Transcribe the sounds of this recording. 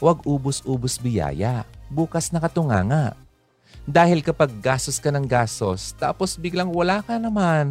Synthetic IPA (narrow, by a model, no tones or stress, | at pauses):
wɐɡʔuːbosʔuːbosbɪja̰ːjɐbuːkɐsnɐkɐt̪ʊŋa̰ːŋɐʔ | d̪aːhɪlkɐpɐɡ̚ːaːst̪oskɐnɐŋɡaːst̪ost̪a̰ːposbɪɡlaŋwɐlaːkɐnɐman